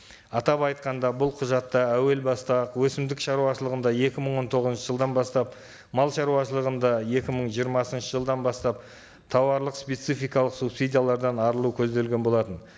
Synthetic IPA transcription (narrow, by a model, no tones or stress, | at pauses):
ɑt̪ɑpɑjt̪qɑnd̪ɑbʊlˠqʰʊʒɑt̪ːɑæwe̞lbɑst̪ɑqwɵsɪmd̪ɪkʃɑɾuɑʃəlˠəʁənd̪ɑje̞kʲɪməɴwo̞nt̪ʰo̞ʁəzənʃəʒəlˠd̪ɑnbɑst̪ɑp̚ | mɑlˠʃɑɾuwɑʃəlˠəʁənd̪ɑe̞kʲɪməɴʒijəɾmɑsənʃəʒəlˠd̪ɑnbɑst̪ɑp̚ | t̪ʰɑwɑɾlˠəqspʲe̞t̪sijfʲijkɑlˠəqsubsidʲijalˠɑɾd̪ɑnɑɾəlˠukʲʰɵzd̪e̞lɡʲe̞nbo̞lˠɑt̪ən